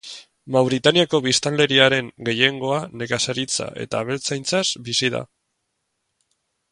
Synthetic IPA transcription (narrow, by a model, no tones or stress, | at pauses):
mawɾit̪aniako̞β̞ist̪ald̪e̞ɾiaɾe̞ŋɡe̞je̞ŋɡo̞ane̞kasaɾit͡sa̰ʔe̞̰t̪aːβe̞lt͡sajnt͡sasbisiða̰